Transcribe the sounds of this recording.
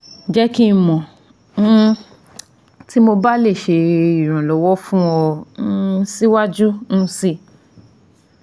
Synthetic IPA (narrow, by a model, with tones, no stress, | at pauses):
d͡ʒɛ˦ki˦˧mɔ̃˨ | n̩˦ | ti˦mo˧ba˦le˦˨ʃe˧i˨ɾ̃ã˨lɔ˨˦wɔ˦fũ˦ɔ˧n̩˦si˦wa˦d͡ʒu˦ñ̩˦si˦˨